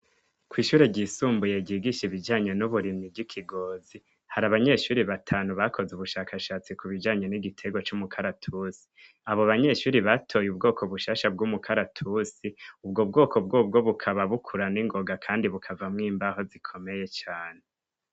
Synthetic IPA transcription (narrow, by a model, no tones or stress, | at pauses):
kwiːʃuːɾeɟisuːmbuje̞ɟiːɡiʃiβid͡ʒaːɲe̞nuβuɾimibɟikʰiɡo̞ːzi | haɾaβaɲe̞ʃuːɾiβatʰaːnuβakʰo̞zuβuʃaːkaʃaːt͡sikuβid͡ʒaːɲe̞niɡitʰe̞ɡwot͡ʃumukʰaɾatʰusi̥ | aβo̞βaɲe̞ʃuːɾiβatʰo̞jub̚ɡo̞ːkʰoβuʃaʃab̚ɡumukʰaɾatʰusiubɡobɡo̞ːkʰo̞b̚ɡo̞b̚ɡo̞βukʰaβaβukʰuɾaniŋɡo̞ɡakʰaːndiβukʰavamŋiːmbaɦo̞zikʰo̞me̞je̞t͡ʃaːne